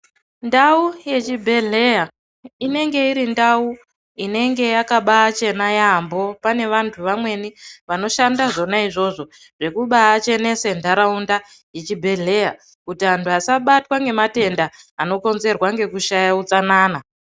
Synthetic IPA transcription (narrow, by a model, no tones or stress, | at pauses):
ndauje̞t͡ʃibʱe̞ɮe̞ja | ine̞ŋɡe̞iɾindau | ine̞ŋɡe̞jakaɓaːt͡ʃe̞najambo̞pane̞ʋantʰuʋamwe̞niʋano̞ʃandaʐo̞naiʐo̞ʐo̞ | ʐ̥e̞kuɓaːt͡ʃe̞ne̞sendʱaɾaunda | jet͡ʃibʱe̞ɮe̞ja̰ | kutiɦantʰuasaɓatwaŋɡe̞mate̞ndaː | no̞ko̞nze̞rwaŋɡe̞kuʃajaut͡sanaːna